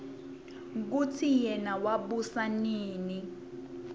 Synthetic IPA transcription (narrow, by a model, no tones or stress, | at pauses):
k̬utʰijɛnawaɓusaniːni